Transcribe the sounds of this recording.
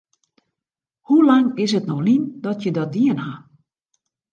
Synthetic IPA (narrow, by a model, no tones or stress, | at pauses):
hulaŋɪs̬ətnɔxlindɔtʰjədɔt̚diənha